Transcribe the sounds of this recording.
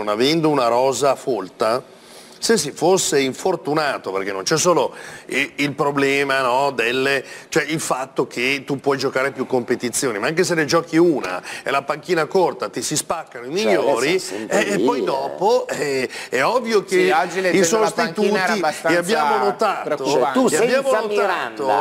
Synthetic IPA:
onavɛnd̪ounaɾɔːzafolt̪a | ses̬ːifosːeiɱfort̪unaːt̪opḛrkenːont͡ʃɛsːoːlo | ilpɾoblɛːmanɔd̪elːet͡ʃoɛilfat̪ːok̟ʰet̪upːwɔjd͡ʒokaːɾepjukːompet̪it̪sːjoːnimaaŋk̬es̬enːed͡ʒɔːkiuːna̰ḛlapaŋk̟iːnakort̪at̪isispakːanoimiʎːoːɾiɛːpːɔjd̪ɔːpoɛɛɔvːjoked͡ʒiisost̪it̪uːtisaeabːjaːmonot̪aːt̪oueabjaːmonot̪aat̪o

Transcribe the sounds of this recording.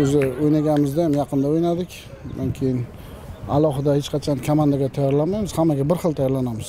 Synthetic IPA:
ɵzɪojnaɡʲanɪmɪzd̪ajamjɑqʰɨnd̪aojnad̪ɪkʲ | nankʲʰejɪn | a̰lˠɒɦɨd̪ahet͡ʃqʰɑt͡ʃʰankʰamand̪aɡʲat̪ʰajaɾlanmajmɪz̥hamːaɡʲabɪɾχɨlˠt̪ʰajaɾlanamɪz̥

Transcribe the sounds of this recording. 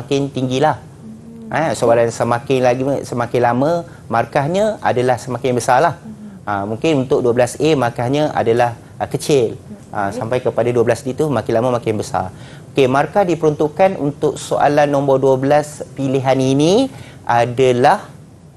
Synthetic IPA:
akɪnt̪iŋɡilah | ʔasoalansəmãkɪnlaɡsəmãkɪnlamə̃ | markahɲãa̰dalahsəmakɪnbəsarlahamũŋkɪnunt̪ʊk̚duabəlasemarkahɲãʔa̰dalah | kət͡ʃɪlʔasampajkəpadaduwabəlasdit̪umãkɪnlaməmãkɪnbəsa̰r | okemarkahdipəɾɔnt̪uʔkanṵnt̪ʊk̚soʔa̰lanːɔ̃mbɔduəbəlaspiliɦanini | ʔadalah

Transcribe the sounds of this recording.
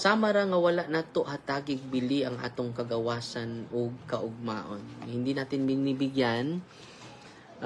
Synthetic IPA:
saːmɐɾaŋɐwɐlaʔnat̪oʔhɐt̪aːɡɪɡ̚bɪliʔɐŋʔa̰ːt̪oŋkɐɡɐwaːsɐnoɡ̚kɐʔʊɡ̚ma̰ːʔonhɪnd̪inaːt̪ɪnbɪnibɪɡjan

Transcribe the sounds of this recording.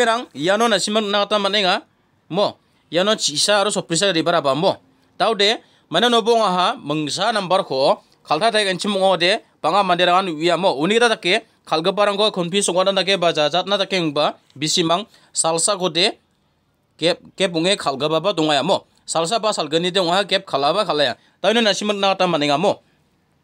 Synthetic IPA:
eɾaŋijanɔnasimaŋnaɡatamanajŋa | mɔ | ijanɔt͡ʃisaːɾɔsɔpɾis̬aɾɾibaɾabamɔ | tawde | majnanɔbɔŋaɦamɯŋs̬anambaɾkʰɔ | kʰaltʰatʰajkajntʰimɔŋɔde | b̥aŋamandeɾakanuijamɔuniɡtatakːe | kʰalɡɯbaɾaŋkʰɔkʰɯnpʰisɔkŋat̚nanak̬ebazazat̚natakeɯŋba | bisimaŋ | salsakʰɔde | kekep̬̚ɔŋekʰalɡɯbabadɔŋajamɔ | sals̬abasalɡɯnideɔŋaɦhakep̚kʰalabakʰalːaja | tawjnɔnasimɯk̚nakatamanijŋamɔ

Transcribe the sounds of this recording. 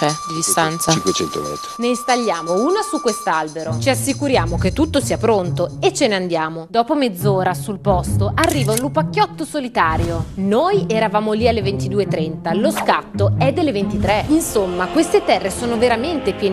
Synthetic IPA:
ɛd̪id̪ist̪ant̪sket͡ʃɛ̰nt̪o̰ɛ̰t̪nest̪aʎːjaːmouːnasukːwest̪albeɾot͡ʃiasːikuɾjaːmok̟et̪ːut̪ːosiːapɾont̪oet͡ʃːeneand̪jaːmod̪ɔːpomed̪zːoːɾasulpɔst̪oʔarːiːvaunlupakjɔt̪ːosolit̪aːɾjonoːjɛɾavaːmolialːevent̪id̪uːet̪ːɾɛnt̪aloskat̪ːoɛd̪ːelːevent̪it̪ɾeinsomːakwest̪et̪ɛrːesoːnoveɾament̪epjɛːn

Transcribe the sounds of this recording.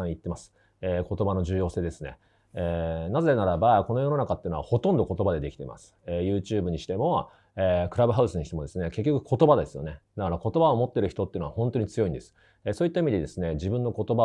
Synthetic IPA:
ãit̪ːe̞masɨ̥ | eːko̞t̪o̞bano̞ʑɨːjo̞ːse̞ːd̪e̞sɨne̞̰ | enazeenaɾabako̞no̞jo̞no̞nakat̪ːeɯnoaho̞t̪õ̞nd̪o̞ko̞t̪o̞bad̪e̞d̪e̞kʲi̥t̪e̞̰ma̰sɨ̥ejɯ̟ːt͡ɕɨːbɯɲ̟iɕi̥t̪e̞mo̞ | ekɯ̟ɾabɯ̟ɦaɯ̟sɨɲiɕi̥t̪e̞mo̞d̪e̞sɨne̞ke̞k̬ʲːokɯ̟̥kʰo̞t̪obad̪e̞sɨjo̞̰ne̞d̪akaɾako̞t̪o̞baomo̞t̪ːe̞ɾɯ̟çi̥t̪o̞t̪ːeɯ̟noahõnt̪o̞ɲ̟it͡sɨjo̞ĩnd̪e̞sɨ̥ | esoːit̪ːaimʲid̪e̞d̪e̞sɨne̞d͡ʑibɯ̟̃nːo̞ko̞t̪o̞ba

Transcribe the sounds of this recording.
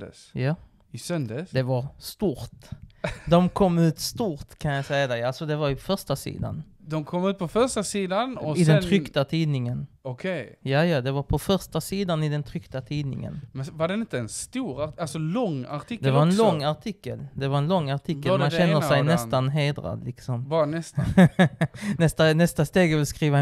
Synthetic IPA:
sjaː | ɪsœnd̪əsd̪ɛvaɾst̪uːɾt̪d̪ɔmkʰɔmːʉ̟ːt̪st̪uːɾt̪kʰanjasɛjad̪ɛalsɔd̪ɛvaɾjʊpʰɔfœʂʈasḭːd̪a̰n | d̪ɔmkʰɔmːʉːt̪̚pʰɔfœɾʂʈasiːd̪anɔɪd̪ɛnʰɾʏkt̪at̪ʰiːnɪŋənɔkʰejjaːjɑd̪ɛvaɾpʰɔfœɾʂʈasiːd̪anɪd̪ɛnt̪ʰɾʏkt̪at̪ʰiːd̪nɪ̰ŋə̰nmɛvaɖɛnɪnt̪əɛnst̪uːɾalsɔlɔŋːa̰ʈʰɪkd̪ɛvaɾɛnlɔŋːaɾʈʰɪkːə̰ld̪ɛvaɾɛnlɔŋːaʈ̪ʰɪkːəlmmanɕɛnːəɾsɛjnɛst̪anɦeːd̪ɾa̰d̪lɪksɔmbɑnɛs | nɛst̪anɛst̪ast̪eːɡvɪlskɾiːva

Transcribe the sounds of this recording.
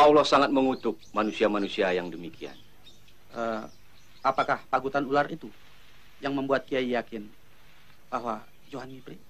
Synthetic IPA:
paulɔhsaŋat̪̚məŋut̪ʊp̚manusiamanusiajaŋdəmikʰia̰n | ʔə | apakahpaɡut̪anulaɾit̪u | jaŋməmbuat̪̚kiaijakɪn | baɦwa | d͡ʒoɦanibɾi

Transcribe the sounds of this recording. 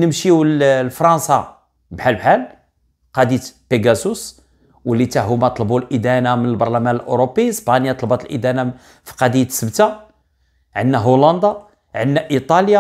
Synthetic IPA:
nəmʃiwlfɾˤɑnsɑ | bħalbħal | qɑd̪it̪peɡæsus | wəlːit̪æɦumæt̪ˤlbulʔid̪ænamənəlbɑɾˤlæmænəlʔoɾopːispɑnjɑt̪ˤlbɑt̪əlʔid̪æna | fi̥qɑd̪it̪səbt̪a | ʕənːæɦolɑnd̪ɑ | ʕənːæʔit̪ˤɑlja

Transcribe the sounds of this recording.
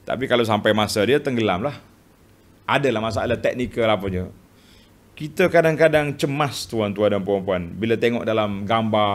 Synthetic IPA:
t̪a̰pikalaws̬ampajmasadiat̪əŋɡəlamlah | ʔadalahmas̬aalat̪ɛk̚nikəlapəd͡ʒə | kit̪əkadaŋkadaŋt͡ʃəmast̪uant̪uandampəɾɔmpuanbilat̪eŋɔ̰ʔ̚dalamɡamba

